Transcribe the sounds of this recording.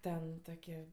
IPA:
ˈtʲɛn ˈtoːkʲiɛ

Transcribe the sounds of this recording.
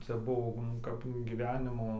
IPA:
ˈt͡sʲɛ ˈbuɔ nʊ ˈkɐp ɡʲiːˈʋʲæːnʲɪmoː

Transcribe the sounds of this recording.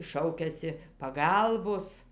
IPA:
ˈʃɐʊkʲɛsʲɪ pɐˈɡɐlˠboːs

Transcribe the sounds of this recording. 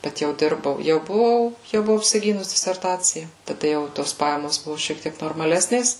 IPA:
ˈbʲɛt jɛʊ ˈdʲɪrbɐʊ ˈjɛʊ bʊˈʋɐʊ ˈjɛʊ bʊˈʋɐʊ ɐpʲsʲɪˈɡʲiːnʊs dʲɪsʲɛrˈtɑːt͡sʲɪjɛ tɐˈdɐ jɛʊ ɪ ˈtoːs ˈpɑːjɛmoːs ˈbʊʋoː ʃʲiɛk ˈtʲiɛk noːrmɐˈlʲæːsʲnʲeːs

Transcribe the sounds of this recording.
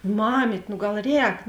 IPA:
ˈmɑːmʲiːtʲ nʊ ˈɡɐlˠ ˈrʲɛːk

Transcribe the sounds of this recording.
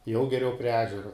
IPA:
jɛʊ ɡʲɛˈrʲɛʊ pʲrʲiɛ ˈæːʒʲɛroː

